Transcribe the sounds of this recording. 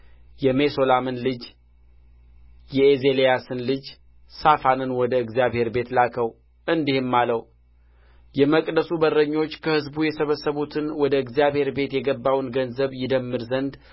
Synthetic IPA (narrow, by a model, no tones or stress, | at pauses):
jɛme̞so̞lamɨnlɨd͡ʒ | jɛeze̞lejasɨnlɨd͡ʒ | safanɨnwɔd̪əɨɡzijaβhe̞ɾbe̞t̪lakʰəw | ʔɨnd̪ihɪmːaləw | jɛməkʼd̪əsubərːəɲːo̞t͡ʃːkʰəhɨzbujɛsəβəsːəβut̪ʰɨnwɔd̪əɨɡzijaβhe̞ɾbe̞t̪jɛɡəbːawnɡənzəβjɪd̪əmːɨɾzənd̪